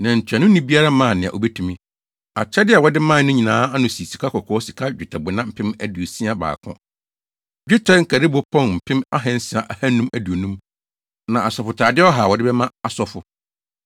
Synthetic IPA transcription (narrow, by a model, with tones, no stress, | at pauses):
nã˨ɲ̩˨t͡ɕʰᶣã˨nʊ̃˦nĩ˦bi˦a˦ɾa˦mã˦˨nɪ̃˨a̰˨ʔo̰˨bɛ˦tʰũ˨mĩ˦ | a̰˨t͡ɕʰɛ˦dɪ˦a˨wɔ˨dɪ˦mã˦nʊ̃˦ɲĩ˨nãː˨˦a˦nʊ̃˨si˨si˨kʰa˦kʰɔ˨kʰɔ˦ɔ˦si˨kʰa˦d͡ʑᶣɪ˨tʰa˨bʊ˨nã˦m̩˦˨pʰɪ̃˦mæ˨du˨o˨sĩ˦a˦ba̰ː˨kʰʊ̰̃˦ | d͡ʑᶣɪ˦tʰɛ˦ŋ̩˦kʰæ˨dɪ˦bʊ˨˦pʰɔ̃˦nm̩˨pʰɪ̃˦ma˦ɦɛ̃˦n̩˦sɪ˨a˨ʔa˨hæ˦nːũ˦mæ˨du˨o˨nũ˦m | nã˨ʔa˨sɔ˨fʊ˨tʰaː˨dɪ˦ɔ˦ɦa˨wɔ˨dɪ˦bɛ˦mã˦a˨sɔ˨fʊ˨